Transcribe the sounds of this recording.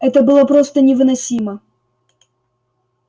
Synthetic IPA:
ɛt̪əbɨlˠəpɾo̞st̪ənʲɪvɨnɐsʲimə

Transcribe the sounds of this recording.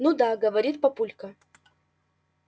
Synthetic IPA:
nud̪aɡəvɐɾʲit̪̚pɐpulʲkə

